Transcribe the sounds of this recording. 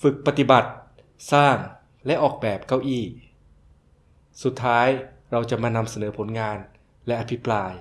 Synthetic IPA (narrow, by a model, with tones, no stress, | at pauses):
fɯ˨˩k̚pa˧t̪i˨˩ba˨˩t̪̚ | saː˥˩ŋ | lɛ˦˥ʔɔː˨˩k̚bɛː˨˩p̚ka˧wʔiː˥˩ | su˨˩t̪ʰːaː˦˥j | ɾa˧wt͡ɕa˨˩maː˧na˧msa˧nɤː˩˦pʰo˩˦nŋaː˧n | lɛ˦˥ʔa˧pʰi˦˥pɾaː˧j